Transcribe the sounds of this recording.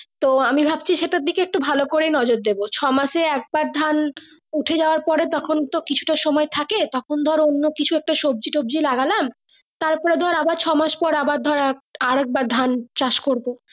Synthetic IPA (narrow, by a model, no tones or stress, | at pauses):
t̪oamibʱab̚t͡ɕʰiʃeʈad̪ːikeek̚ʈubʱalokoɾejnɔd͡ʑoɾd̪ebot͡ɕʰɔmaʃeɛk̚baɾd̪ʱan | uʈʰed͡ʑaoaɾpɔɾet̪ɔkʰont̪okit͡ɕʰu̥ʈaʃɔmɔet̪ʰaket̪ɔkʰond̪ʱɔɾonːokit͡ɕʰuɛk̚ʈaʃob̚d͡ʑiʈobd͡ʑilaɡalam | t̪aɾpɔɾed̪ʱɔɾabaɾt͡ɕʰɔmaʃpɔɾabaɾd̪ʱɔɾaaɾɛk̚baɾd̪ʱant͡ɕaʃkoɾbo